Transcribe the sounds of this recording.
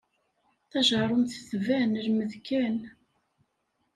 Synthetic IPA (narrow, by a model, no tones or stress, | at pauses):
θæʒəɾˤonθθvænəlməðkæn